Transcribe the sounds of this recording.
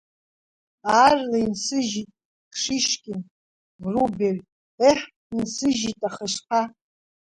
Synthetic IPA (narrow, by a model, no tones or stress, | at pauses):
aːrlainsɨʒitʼ | ʂiʃkʲʼɪn | ruberʲ | eħ | insɨʒitʼaχəʃqʰa